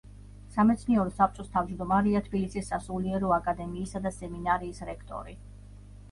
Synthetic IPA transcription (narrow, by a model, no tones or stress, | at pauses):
samɛt̪sʰniɛɾɔsap̚ʰt͡ʃʼɔst̪ʰavd͡ʒd̪ɔmaɾiat̪ʰbilisisːasuliɛɾɔakʼad̪ɛmiːsad̪asɛminaɾiːsɾɛkʰt̪ʼɔ̰ɾi